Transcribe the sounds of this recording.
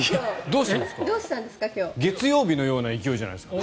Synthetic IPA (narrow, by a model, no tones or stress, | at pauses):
od̪o̞ːɕit̪ãnskd̪oːɕi̥t̪ãnd̪esɨ̥kakʲo̞ːɡe̞t͡sɨjo̞ːbʲino̞jo̞ːnaikʲijo̞ːʑana̰jd̪eska